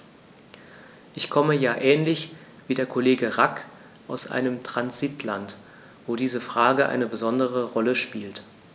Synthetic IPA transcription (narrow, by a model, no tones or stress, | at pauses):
ʔɪçkʰɔməjaːʔɛːnlɪçv̥iːdeːɐkʰoleːɡəʁak | ʔaʊsʔa̰ɪnəmtʁ̥anzitʰlant | v̥oːdiːzəfʁ̥aːɡəʔa̰ɪnəbəzɔndəʁəʁɔləʃpiːlt